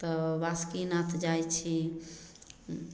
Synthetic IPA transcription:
t̪ɔbaskinat̪ʰd͡ʒajt͡ʃʰi

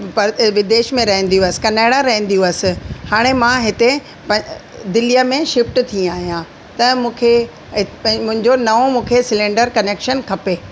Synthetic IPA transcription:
pɐɾʋɪd̪eːʃmẽɾɐɦə̃nd̪ijũəsɪ̥̆kɐnaːɽaɾɐɦə̃n̆d̪ijũəsɪ̆haːɽ̃emãɦɪt̪e | pɐ̃d̪ɪlijəmẽʃɪfʈt̪ʰĩaːɦijã | t̪ɐmũːkʰe | ɦɪpɐ̃mʊ̃ɦɪ̃ɲd͡ʑonɐʋomũːkʰesɪlẽɳɖəɾkɐneːkʃənkʰɐpeː

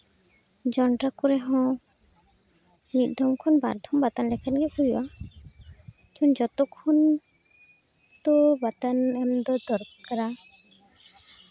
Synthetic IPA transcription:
d͡ʒɔɳʈɾakuɾɛɦɔ̃ | nit̪̚ˀd̪ʱɔmkʰɔnba̰ɾd̪ʱɔmbat̪anlɛkʰatɡɛkuiwa | tʰɔnd͡ʒɔt̪ɔkʰːɔn | t̪ɔbat̪anɛmd̪ɔd̪ɔɾt̪kaɾa

